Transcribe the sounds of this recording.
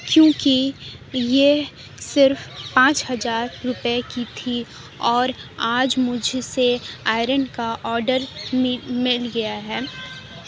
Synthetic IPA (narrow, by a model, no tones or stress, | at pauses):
kjõːkije | sɪɾfpãːt͡ʃhɐzaːɾːʊpekit̪ʰi | ɔːɾaːd͡ʒmʊd͡ʒʱseaːɪɾənkaʔɔːɾɖəɾ | mɪlɡɐjaɦɛː